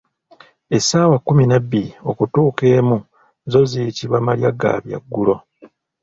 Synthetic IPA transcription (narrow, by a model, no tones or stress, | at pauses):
e̞saːwakːuminabːilio̞kutuːke̞ːmu | zo̞zijitiβamaljaɡa̰βja̰ɡːulo̞